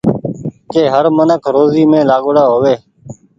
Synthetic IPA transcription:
keːɦəɾmənəkʰɾoːziːmẽːlaːɠɽaːɦoːʋeː

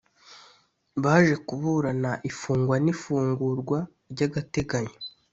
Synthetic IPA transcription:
βaːʒe̞kuβuɾanaʔifuːŋɡwanifuːŋɡuɾɡwa | ɾɟaɡate̞ɡaɲo̥

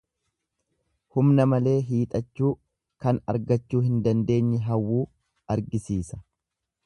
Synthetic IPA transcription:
hʊmnɐmɐle̞ːɦiːt̪ʼɐt͡ʃːuː | kɐnɐ̰ɾɡɐt͡ʃːuːhɪnd̪ɐnd̪e̞ːɲːɪɦɐwːuː | ɐɾɡɪsiːsɐ̥

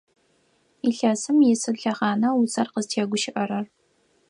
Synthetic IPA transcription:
iɬɐsɨmjɪsɨɬɐʁɑːnɐwʊt͡sʼɐrqəztʰeːɡʷʊʃɪʔɐɾɐr

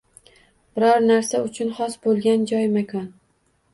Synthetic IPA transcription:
b̥ɪɾɒɾnaɾsaʊt͡ʃʰʊnχɒsbolˠɡʲand͡ʒɒjmakʰɒn

